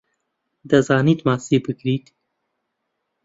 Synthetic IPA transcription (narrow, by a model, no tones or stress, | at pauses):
d̪ɐzɑːniːt̪mɑːsibɨɡɾiːt̪